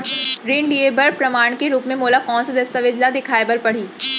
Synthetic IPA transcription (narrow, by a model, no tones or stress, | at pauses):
ɾeːnliebɐɾpɾɐmaːɳ̃keɾuːpmẽmoːlakɔːnsad̪ɐst̪əʋɪd͡ʑlad̪ɪkʰaːebɐɾpɐɽ̤iː